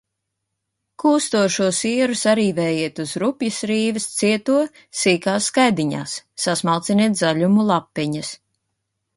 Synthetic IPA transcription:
kuːst̪uɔʃuɔsiɛɾusaɾiːvɛːjiɛt̪uzɾupjɐsɾiːvɨst̪siɛt̪uɔ | siːkaːsːkajd̪iɲa̰ːsːasmalˠt̪siniɛt̪zaʎumulˠapːɛɲɐs

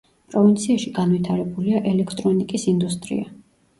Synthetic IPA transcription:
pʼɾɔvint̪sʰiaʃiɡanvit̪ʰaɾɛbuliaʔɛlɛkʰt̪ʼɾɔnikʼisind̪ust̪ʼɾḭa

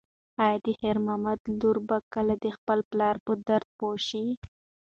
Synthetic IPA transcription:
ɑjɑd̪əheɾmɑmad̪luɾbakəlad̪əxpəlplɑɾpəd̪aɾd̪̚poʃi

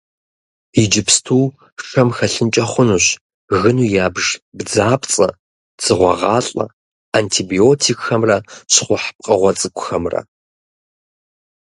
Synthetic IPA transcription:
id͡ʒɪpstʰuː | ʂɐmxɐɬɨnt͡ʃʼɐχʷʊnuːɕ | ɣɨnuːjaːbʒbd͡zaːpt͡sʼɐ | t͡sʰɨʁʷɐ̰ʁɑːɬʼɐ̰ | aːntʰiːbiotʰikʼxɐmrɐɕχʷʊħp̚qʼɐʁʷɔt͡sʼɨkʷʰʼʊxɐmrɐ̰

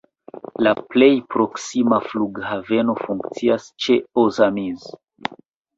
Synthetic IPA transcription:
laple̞jpɾo̞ksimafluɡhave̞no̞fuŋkt͡siast͡ʃe̞ozamiz

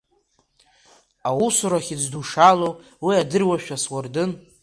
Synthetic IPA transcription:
awusuɾaχʲid͡zduʂalow | wiadɨrwaʃᶣaswʊrdɨn

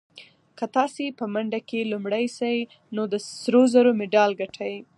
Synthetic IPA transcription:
kət̪ɑsepəmaɳɖakelumɽajsaj | nod̪əsɾozaɾomɪɖɑlɡaʈʰaj

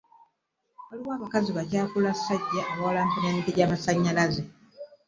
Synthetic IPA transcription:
waliwaːβakaziβacaːkulasaɟːaːβawalaːmpumendiɟaːmasaɲːalaze

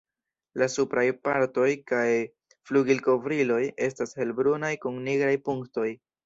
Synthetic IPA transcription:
lasupɾajpaɾto̞jkaj | fluɡilko̞vɾilo̞je̞stashe̞lbɾunajkuŋniɡɾajpuŋkto̞j

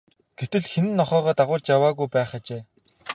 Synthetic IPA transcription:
ɡ̥et̪ɘ̆ɮxenɘ̆nːɔχœːʁɔːt̪aʁʊːt͡ɕjawaːɣujpæːχat͡ɕeː

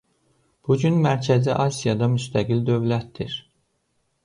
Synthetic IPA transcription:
b̥ud͡ʒynmæɾcʰæziʔɑsijɑd̪ɑmyst̪ʰæɡild̪ø̞vlæt̪̚d̪iɾ

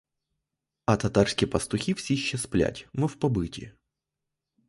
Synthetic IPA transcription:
ɐt̪ɐt̪arsʲkʲɪjpɐst̪ʊxʲifsʲiɕːɛsplʲæ̰tʲmɔfpɐbɨtʲɪ̰

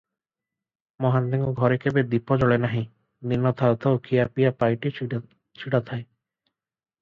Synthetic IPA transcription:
mɔɦand̪iŋɡɔɡʱɔɾekʰebed̪ipɔd͡ʒɔɭenaɦĩ | ninːɔt̪ʰat̪ʰawkʰiapijapajʈi | t͡ʃʰiɽat̪ʰae

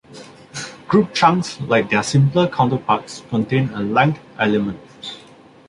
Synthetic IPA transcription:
ɡ̥ɹup̚t͡ʃãŋslaɪk̚d̪ɛsĩmpləkʰãw̃ntəpakskɔ̃ntẽnəlɛ̃ŋkʔɛlɛmə̃nt̚

